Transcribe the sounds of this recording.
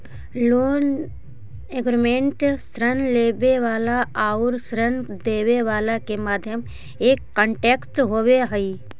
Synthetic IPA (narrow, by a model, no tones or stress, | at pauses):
loːn | eɡɾimẽːɳʈsɾənleːʋeʋaːlaaːʊɾsɾənd̪eːʋeʋaːlakemaːd̪ʱjəm | eːkːə̃ɳʈeːksʈɦoːweɦəi